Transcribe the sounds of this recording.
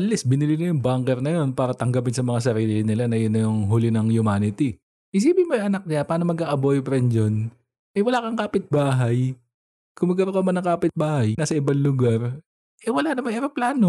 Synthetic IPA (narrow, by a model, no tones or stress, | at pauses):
ʔɐllisbɪnɪlinɐjʊŋbaŋkɛɾnɐjo̞npaːɾɐt̪ɐŋɡɐpɪnsɐmɐŋas̬ɐɾiːlɪnɪlanɐjonːɐjʊŋɦuːlɪnɐŋjʊmaːnɪt̪i | ʔɪs̬iːbɪmojʔɐnɐk̚ɲɪapaːnomɐɡʔaʔɐbojpɾɛnd͡ʒon | ʔɛwɐlaːkɐŋkaːpɪt̪̚baːɦɐj | kʊmɐɡ̚kɐɾokɐmɐnɐŋkaːpɪt̪̚baːhɐjnasɐʔɪbanlʊɡaɾ | ʔɛwɐlanɐmaŋʔɛɾoplaːno